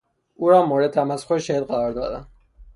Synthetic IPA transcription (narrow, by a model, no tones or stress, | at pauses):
ʔuːɾɒːmoːɾed̪̚t̪ʰæmæsʰoeʃæid̪ɢæɾɒːɾd̪ɒ̰ːd̪æn